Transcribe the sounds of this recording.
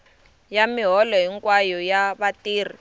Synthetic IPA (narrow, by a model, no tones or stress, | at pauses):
jamiɦɔlɔɦiŋkwajɔjaβatiːr̤i